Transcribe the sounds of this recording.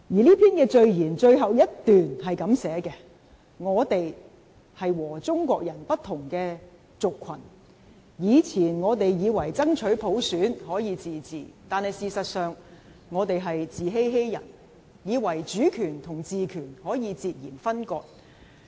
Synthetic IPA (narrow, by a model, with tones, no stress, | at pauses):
jiː˨˩liː˥pʰiː˥nkɛː˧t͡ʃɵ˧ɥjiː˨˩nt͡ʃɵ˧ɥɦɐ˨wjɐ˥tt̪yː˨nhɐ˨jkɐ˨˥msɛː˨˥kɛ˧ | ŋɔː˨˧t̪e˨j | hɐ˨jwɔː˨˩t͡sʊ˥ŋkʷɔː˧k̚jɐ˨˩npɐ˥t̪ʰːʊ˨˩ŋkɛː˧ | t͡sʊ˨kʰːɐ˨˩n | jiː˨˧t͡sʰiː˨˩nŋɔː˨˧t̪e˨jjiː˨˧wɐ˨˩jt͡sɐ˥ŋt͡ʃʰɵ˨˥ɥpʰo˨˥wsyː˨˥nhɔː˨˥jiː˨˧t͡siː˨t͡siː˨t̪aː˨nhɐ˨jsiː˨sɐ˨t̚sœː˨ŋ | ŋɔː˨˧t̪e˨jɦɐ˨jt͡siː˨ɦe˥jɦe˥jjɐ̰˨˩n | jiː˨˧wɐ˨˩jt͡ʃyː˨˥kʰyː˨˩nt̪ʰʊ˨˩ŋt͡siː˨kʰyː˨˩nhɔː˨˥jiː˨˧t͡siː˧t̚jiː˨˩nfɐ˥nkɔː˧k̚